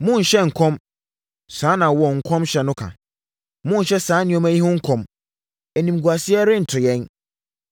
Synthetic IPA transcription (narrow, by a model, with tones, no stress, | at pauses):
mʊ̃˦n̩˨ɕɛ˦ŋ̩˨kʰɔ̃˦m | sãː˨˦nã˨wɔ˨ŋ̩˨kʰɔ̃˦mɕɛ˨nʊ̃˦kʰã̰˨ | mʊ̃˦n̩˨ɕɛ˦sãː˨˦nɪ̃˦ɔ̃˦mæ˦ji˦hʊ̃˦ŋ̩˦kʰɔ̃˨m | ɛ˨nĩ˨m˨ɡu˨a˨sɪ˦ɛ˦ɾɪ˦n̩˨tʰʊ˨jɛ̃˦n